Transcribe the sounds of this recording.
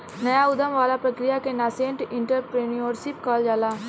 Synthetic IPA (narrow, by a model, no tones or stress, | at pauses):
nəjaʊd̪əmʋaːlapɾəkɾɪjakenaːsẽːɳʈɪ̃ɳʈəɾpɾeːnioːɾsɪp̚kaːld͡ʒaːlaː